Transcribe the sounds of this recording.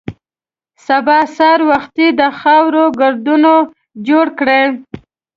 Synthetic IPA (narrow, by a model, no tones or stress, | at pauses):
sabɑsɑɾwaxt̪id̪əxɑwɾoɡʊɾd̪uno | d͡ʒoɽkɽe